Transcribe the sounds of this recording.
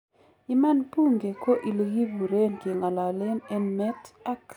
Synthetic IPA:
i˦ma˦npu˦ŋɡe˨ko˦ʔi˨lɡi˦bu˨ɾe˦nki˨ŋa˨la˨le˦nɛ˦nmɛ˦ta˦k

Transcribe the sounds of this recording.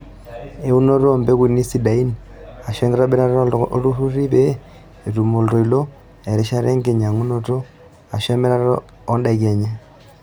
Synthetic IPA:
e˦u˦no˦ɾombe˦ɣu˦ni˦si˦da˨i˦n | a˨ʃe˦ŋɡe˦ɾa˦be˦ɾa˦ɾoo˦ɾu˦ɾu˦ɾi˦βeː˦˨ | ɾu˨mo˨lto˨i˨lo˦ | e˨ɾi˦ʃa˦ɾe˦ŋɡe˨ɲa˨ŋu˦no˦to˦ | a˨ʃe˦me˦ɾa˦ɾoː˦ | nda˨ɣe˨ɲa˦

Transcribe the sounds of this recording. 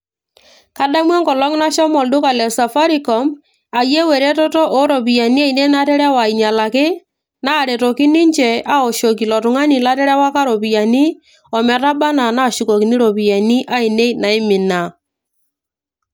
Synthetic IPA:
ka˦da˦mwɛ˦ŋɡɔ˨lɔ˦ŋ˦na˦ʃɔ˦mɔ˨ldʊ˦ka˨lɛ˨sa˨fa˦ɾi˨kɔ˨m | a˨je˦wɛ˨ɾe˦tɔ˦tɔ˦ʔɔ˦ɾɔ˨pi˨ja˨ni˦a˦i˨ne˦na˦tɛ˦ɾɛ˦wa˨i˨ɲa˨la˨kɪ˦ | na˦˨ɾe˨tɔ˨kɪ˦nɪ˦ɲt͡ʃɛ˨a˦ɔ˨ʃɔ˨ki˨lɔ˨tʊ˨ŋa˦ni˨la˦tɛ˦ɾɛ˦wa˦ka˦ɾɔ˨pi˨ja˨ni˦ | ɔ˨mɛ˨ɾa˦ba˦na˨na˦˨ʃu˨kɔ˨ki˨ni˦ɾɔ˨pi˨ja˨ni˦ʔa˦ɪ˨ne˦na˨ɪ˦mɪ˨na˨

